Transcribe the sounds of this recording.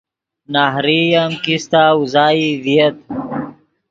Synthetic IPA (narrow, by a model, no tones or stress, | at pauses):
naːɦɾijamkist̪aːuzaːiviɐt̪̚